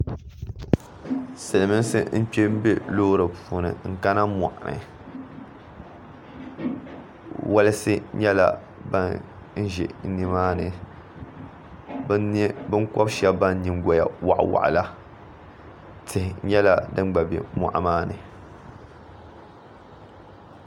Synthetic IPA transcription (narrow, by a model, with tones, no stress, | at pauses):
sɨ˨lɨ˨mɨ˦sɨ̰˦m̩˦pe˦m̩˦be˦loː˦ɾɨ˨puː˨nɨ̰˨ŋ̩˨ka˦na˦mɔ̰˨ʔa˨nɨ̰˨ | wʔa˦lɨ˦sɨ˦ɲɛ˦la̰˦ | ba˦ | n̩˦ʒɛ̰˨˦ni˦maː˦nɨ˨˦ | bɨ˦ŋkɔ˦bʃɛ˦bba˦n˦ɲi˨ŋ˦ɡɔ˨ja̰˨wa̰˨ʔwa̰˨ʔla˦ | tʰɨ˨hɪ˨ɲɛ˦la˦dɨ˦ŋ˦ɡ͡ba˨bḭ˨ma̰˨ʔmaː˦nɨ˨